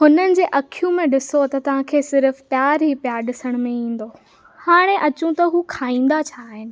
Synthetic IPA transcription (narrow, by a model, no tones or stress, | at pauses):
ɦʊnənɪ̆d͡ʑeːʔɐkʰijũmẽɗɪsot̪ɐt̪ɐʋ̤ãːkʰeːsɪɾfpjaːɾɦipjaːɾɗɪsəɽ̃mẽĩːn̆d̪o | haːɽ̃ẽʔɐt͡ɕũt̪ɐɦuːkʰaːĩːn̆d̪at͡ɕʰaːɦɪnɪ̆